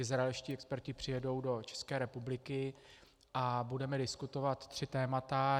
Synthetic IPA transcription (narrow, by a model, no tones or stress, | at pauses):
ɪzɾaɛlʃciːɛkspɛɾcɪpr̥ɪjɛdo̞wdo̞t͡ʃɛ̥skɛːɾɛpublɪkɪ | ʔabudɛmɛdɪskut̪o̞vat̪ːr̝̥ɪt̪ɛːmat̪a